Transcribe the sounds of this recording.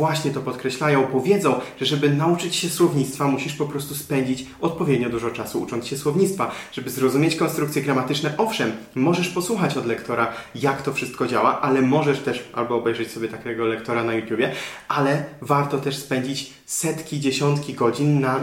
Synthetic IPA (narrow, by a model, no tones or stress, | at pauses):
waɕɲɛt̪ɔpɔt̪kɾɛɕlajɔ̃w̃pɔvʲjɛd̪zɔ̃w̃ʐ̥ɛʐɛbɘnaut͡ʂɘt͡ɕɕɛswɔvɲit̪t̪famuɕiʂpɔpɾɔst̪uspɛɲd͡ʑit͡ɕɔt̪̚pɔvʲjɛd̪ɲɔd̪uʐɔt͡ʂasuṵt͡ʂɔnt̪sɕɛswɔvɲit̪st̪faʐ̥ɛbɘzɾɔzumʲjet͡ɕkɔnst̪ɾukt̪sʲjɛɡɾamat̪ɘt͡ʂnɛʔɔfʂɛmːɔʐɛʂpɔswuxat͡ɕɔd̪lɛkt̪ɔɾajakt̪ɔfʂɘst̪̚kɔd͡ʑawaʔalɛmɔʐɛʂt̪ɛʂa̰lbɔːbɛjʐɛt͡ɕsɔbʲjɛt̪akʲɛɛɡɔlɛkt̪ɔɾanajut̪ʲjubʲjɛʔalɛvaɾt̪ɔt̪ɛʂspɛɲd͡ʑit͡ɕ | sɛt̪kʲid͡ʑeɕɔnt̪kʲiɡɔd͡ʑinːa